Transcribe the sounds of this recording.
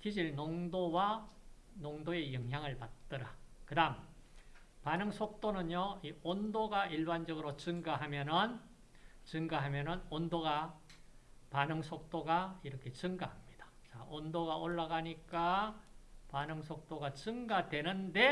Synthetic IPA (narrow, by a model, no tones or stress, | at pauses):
kid͡ʑiɭnoŋdowa | noŋdoe̞jʌŋjaŋɯɭpat̚t͈ʌɾakɯdam | panɯŋsʰok̚t͈onɯnjoiondoɡaʔiɭband͡ʑʌɡɯɾot͡ɕɯŋɡaɦamjʌnɯn | t͡ɕɯŋɡaɦamjʌnɯnondoɡa | panɯŋsʰok̚t͈oɡaiɾʌkʰe̞t͡ɕɯŋɡahamɲid̥ḁt͡ɕaʔondoɡaʔoɭːaɡaɲik͈a | panɯŋsʰok̚t͈oɡat͡ɕɯŋɡadwe̞nɯnde̞